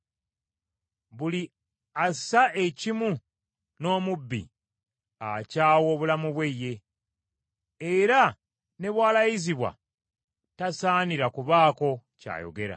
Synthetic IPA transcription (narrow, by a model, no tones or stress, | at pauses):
βuli | asaʔe̞cimu | no̞ːmubːḭ | a̰caːwo̞ːβulamuβwe̞je̞ | eɾa | ne̞βwaːlajiziβwa̰ | tasaːniɾakuβaːko̞ca̰ːjo̞̰ɡe̞ɾa̰